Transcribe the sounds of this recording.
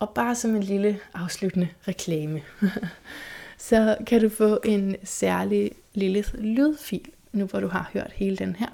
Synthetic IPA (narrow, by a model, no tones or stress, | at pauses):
ʔɒ̽b̥ɑ̈ːsɒ̽me̝nliləʔɑ̈ʊslud̥ənəʁɛkʰlɛːmə | sɒ̽kʰæɾufɔ̰̽ːʔe̝nsæɐli | liləlyð̞ˠfḭːl | nuʋɒɾ̥uɦɑ̈høɐ̰d̥he̝ːləd̥enhæɐ̰